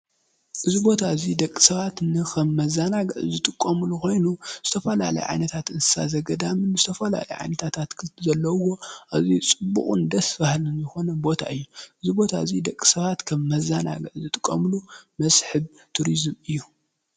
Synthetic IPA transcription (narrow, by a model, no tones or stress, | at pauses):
ʔɨzibo̞t̪ʰaɨzid̪ɐkʼːi̥sɐβat̪nɨkʰɐmːɐzanaɡɨʕzɨt̪ʼɨkʼːɐmɨlukʰo̞jnuz̥ɨt̪ʰɐfɐla̰lɐ̰jʕa̰jnɐt̪ʰat̪ɨnsɨ̥sa̰zɐɡɐd̪amɨnɨzɨt̪ʰɐfɐla̰lɐ̰jʕa̰jnɐt̪ʰat̪ʰat̪kʰzɐlːɐwo̞ʔaβzit͡sʼɨbːṵkʼṵnd̪ɐsfahlɨnzɨxo̞nɐbo̞t̪ʰa̰ʔɨjːuʔɨzibo̞t̪ʰa̰ɨzid̪ɐkʼːi̥sɐβat̪kʰɐmːɐzana̰ɡɨʕzɨt̪ʼɨkʼːɐmɨlumɐsʼħɨβ | t̪ʰuɾizmɨjːu